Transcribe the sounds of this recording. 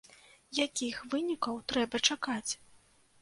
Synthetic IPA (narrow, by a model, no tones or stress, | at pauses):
jakʲixvɨnʲikɐwt̪ɾɛbɐt͡ʂakat͡sʲ